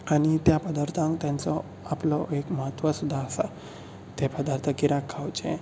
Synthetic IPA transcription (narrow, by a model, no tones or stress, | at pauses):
aɽ̃it̪japəd̪aɾt̪ʰãŋkt̪jãnt͡sɔ | aplɔekməɦət̪ːʋasud̪ʱːaːsa | t̪epəd̪aɾt̪ʰəkiɾakʰːawt͡ɕḛ̃